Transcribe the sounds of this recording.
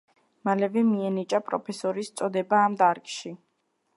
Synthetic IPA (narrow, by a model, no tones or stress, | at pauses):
malɛvɛmiɛnit͡ʃʼapʼɾɔ̰pʰɛsɔɾist̪sʼɔd̪ɛbaːmd̪aɾkʼʃi